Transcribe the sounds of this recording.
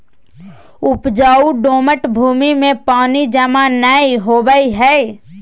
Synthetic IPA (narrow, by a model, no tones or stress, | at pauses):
ʊpd͡ʒaːuɖoːməʈbʱuːmimẽpaːnid͡ʒəmanəiɦoːbəiɦɛ